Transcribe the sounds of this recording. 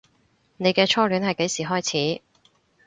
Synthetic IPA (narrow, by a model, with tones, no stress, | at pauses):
ne˨˧jkɛː˧t͡ʃʰɔː˥lyː˨˥nhɐ˨jke˨˥jsiː˨˩ɦɔː˥jt͡sʰiː˨˥